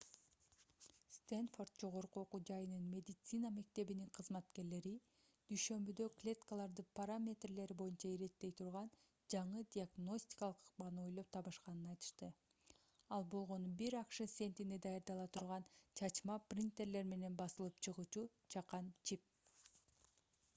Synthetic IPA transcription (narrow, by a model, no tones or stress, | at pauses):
st̪enfo̞rt̪̚d͡ʒo̞ʁo̞ɾquoqud͡ʒɑjɯnɯnmʲe̞d̪ʲit̪sɨnɑme̞k̚t̪e̞βiniŋqʰɯzmɑt̪ke̞ɾle̞ɾi | d̪̥yjʃø̞mbyd̪ø̞klʲe̞t̪kalˠɑɾd̪ɯpaɾamʲe̞t̪rle̞ɾibo̞junt͡ʃɑiɾe̞t̪ːe̞jt̪ʰuɾʁɑn | d͡ʒɑɴɯd̪ʲiaɡno̞sʲt̪ʲi̥kɑlˠɯqʰɯ̥qbɑnɯo̞jlˠo̞p̚t̪ʰɑβɯʃqɑnɯnɑjt̪ɯ̥ʃt̪ɯ | ɑlˠbo̞lˠʁo̞nubiɾɑqʃɯsʲe̞nt̪ined̪ɑjɑɾd̪ɑlˠɑt̪ʰuɾʁɑnt͡ʃʰɑt͡ʃmɑprʲint̪e̞ɾle̞ɾme̞ne̞nbɑsɯlˠɯpt͡ʃʰɯʁuːt͡ʃu | t͡ʃʰɑqɑnt͡ʃʰip̚